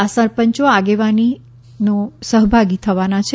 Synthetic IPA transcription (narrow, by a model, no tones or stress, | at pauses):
asəɾpəɲt͡ʃoaɡeʋani | nosəɦbʱaɡit̪ʰəʋanat͡ʃʰe